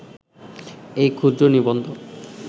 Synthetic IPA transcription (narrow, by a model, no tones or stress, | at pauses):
ejkʰud̪ɾonibond̪ʱo